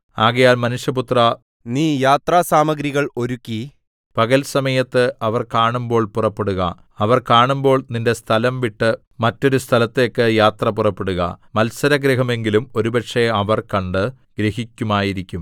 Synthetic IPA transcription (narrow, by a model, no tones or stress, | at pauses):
aːɣɐjaːlmɐnuʂjɐput̪rɐ | niːjaːt̪raːsaːmɐɡɾiɣɐɭo̞ɾukʲːi | pɐɣɐlsɐmɐjɐt̪ːɨʔɐʋɐrkaːɳumbo̞ːɭpurɐpːeɽuɣɐ̰ | ɐʋɐrkaːɳumbo̞ːɭninde̞st̪ʰɐlɐmʋiʈːɨ | mɐtːo̞ɾust̪ʰɐlɐt̪ːe̞kːɨjaːt̪rɐpurɐpːeɽuɣɐ̰mɐlsɐɾɐɡɾiɦɐme̞ŋɡilumo̞ɾubɐʈʂeɐʋɐrkɐɳɖɨ | ɡ̥ɾihikʲːumaːjiɾikʲːum